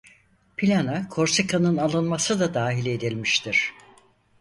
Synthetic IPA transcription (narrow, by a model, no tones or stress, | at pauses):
pʰilʲanakʰo̞ɾsekʰanɯnalˠɯnmasɯd̪ad̪aːɦilʲe̞d̪ilʲmiʃt̪ʰiɾ̝̥